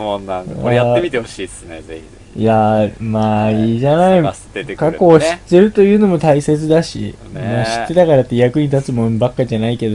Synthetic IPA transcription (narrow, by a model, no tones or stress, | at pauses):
aaeit̪eoiee | jamaːiːʑanai | kako̞ːɕi̥t̪ːe̞ɾɯ̟t̪o̞jɯ̟ːno̞mo̞t̪aise̞t͡sɨd̪aɕḭ | maɕi̥t̪ːe̞t̪akaɾat̪ːejakɯ̟ɲ̟it̪at͡sɨmõ̞mbakːaʑanaike̞d̪o